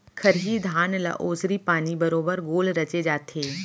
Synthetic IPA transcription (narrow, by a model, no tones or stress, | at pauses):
kʰɐɾɦid̪ʱaːnla̰ʔoːsɾipaːnibɐɾoːbəɾɡoːlɾɐt͡ʃed͡ʒaːt̪ʰeː